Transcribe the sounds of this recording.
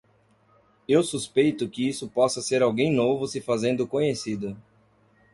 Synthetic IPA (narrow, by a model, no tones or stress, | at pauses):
ewsuspejt̪ʊkɪisʊpɔsɐseɾawɡẽj̃novʊsɪfazẽnd̪ʊkõɲesid̪ɐ